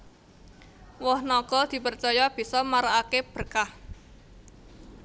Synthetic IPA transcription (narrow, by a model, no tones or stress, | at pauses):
wɔhnɔɡ̥ɔ̤d̪̥i̤pərt͡ʃɔjɔb̥i̤sɔmaɾaakeb̥ə̤rkah